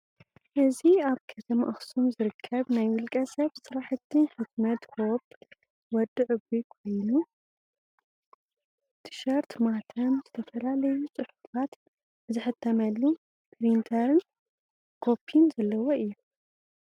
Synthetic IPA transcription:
ʔɨziaβkʰɐt̪ʰɐmaʔɐxsumzɨɾɨkʰːɐβnajwɨlkʼɐsɐβsɨɾaħɨt̪ʰːɨnħɨt̪mɐt̪hop | wɔd̪ɨʕɨbikʰo̞jnu | t̪ʰi̥ʃɐɾt̪mat̪ʰɐnzɨt̪ʰɐfɐlalɐjut͡sʼɨħufat̪ | zɨħɨt̪ʰːɐmɐlːu | pʰɾint̪ʰɐɾɨn | kʰopʰːinzɐlːɐwoʔɨjːu

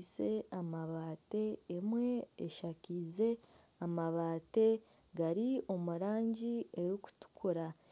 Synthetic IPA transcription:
se̞amaβaːte̞ːmwe̞ːʃakiːze̞ | amaβaːte̞ | ɡaɾio̞muɾaːɲɟie̞ɾiku̥tu̥kʰuɾa

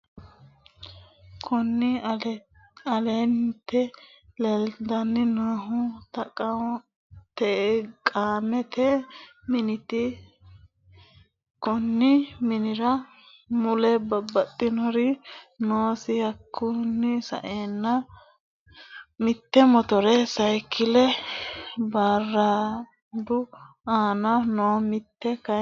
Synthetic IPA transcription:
kʰɔnːɪ | ɐleːnt̪ːɛ | lɛld̪ɐnːɪnaːɦʊt̪ɐkʼɐ | t̪ɛkʼaːmɛt̪ɛmɪnɪt̪ɪ | kɔnːɪmɪnɪɾɐ | mʊlɛbɐbːɐt̪ʼːɪnɔɾɪnoːsɪhɐkʰːʊnːɪsɐ̰ʔeːnːɐ | mɪt̪ːɛmɔt̪ɔɾɛsɐjkʰːɪlɛ | baːrːa | d̪ʊ | aːnɐnoːmɪt̪ːɛkɐ

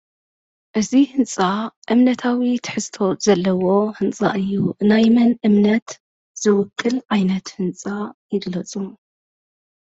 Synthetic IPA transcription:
ʔɨzihɨnt͡sʼaʔɨmnɐt̪ʰawit̪ʰɨ̥ħɨzt̪ʰo̞z̥ɐlːɐwo̞hɨnt͡sʼa̰ʔɨjːuʔɨnajmɐnʔɨmnɐt̪ | z̥ɨwʊkʰːɨlʕajnɐt̪hɨnt͡sʼajɪɡlɐt͡sʼu

